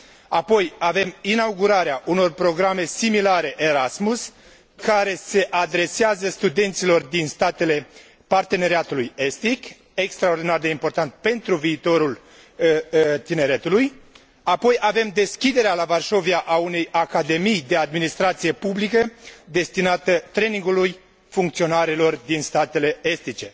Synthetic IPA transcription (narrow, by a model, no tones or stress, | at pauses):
apo̞jave̞minawɡuɾaɾeaʔuno̞rpɾo̞ɡɾame̞similaɾe̞ʔeɾasmus | kaɾe̞se̞ʔad̪ɾe̞seazəst̪ud̪e̞nt̪silo̞rd̪inst̪at̪e̞le̞ | part̪e̞ne̞ɾiat̪uluje̞st̪ik | e̞kst̪ɾaord̪inard̪e̞impo̞rt̪ant̪̚pe̞nt̪ɾuviːt̪o̞ɾul | t̪ine̞ɾe̞t̪uluj | apo̞jave̞md̪e̞skʲid̪e̞ɾealavarʃo̞viaʔaune̞jakad̪e̞mijd̪e̞ad̪minist̪ɾat̪sije̞publikəd̪e̞st̪inat̪ət̪ɾe̞niŋɡuluj | fuŋk̚t̪sio̞naɾilo̞rd̪inst̪at̪e̞le̞est̪it͡ʃe̞